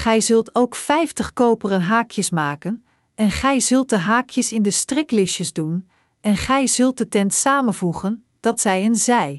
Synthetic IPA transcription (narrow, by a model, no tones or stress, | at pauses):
χɛjzɵlˠtʰowkfɛjftəχkowpərənɦaːkʰjəsmaːkən | ɛnχɛjzɵlˠt̚dəɦaːkʰjəsɪndəstrɪklɪʃjəzdun | ɛnχɛjzɵlˠt̚dətɛntsaːmənvuχən | d̥ɑtsɛjənzɛj